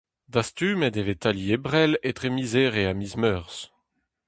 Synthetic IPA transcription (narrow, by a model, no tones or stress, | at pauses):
d̪ast̪yːmɛdevet̪aliebʁɛlet̪ʁemizeːʁeamizmœʁs